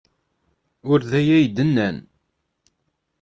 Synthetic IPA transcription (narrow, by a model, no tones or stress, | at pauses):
ʊɾðæjæjd̪ənːæn